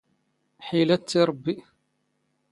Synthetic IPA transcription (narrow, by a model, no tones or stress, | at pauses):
ħilæt͡s̪ːiɾˤbːi